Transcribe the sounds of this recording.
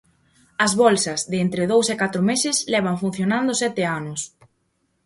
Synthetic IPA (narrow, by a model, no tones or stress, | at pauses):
ɐzβɔlsɐzðɪent̪ɾɪðowsekat̪ɾʊmesɪslɛβ̞ɐɱfun̟θjonãnd̪ʊsɛt̪ɪanʊs